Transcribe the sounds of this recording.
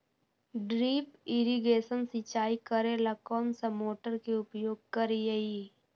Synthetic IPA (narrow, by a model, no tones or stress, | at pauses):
ɖɾiːpɪɾiɡeːsənsɪt͡ʃaːikəɾelakɔːnsamoːʈəɾkeʊpjoːɡ̚kəɾijei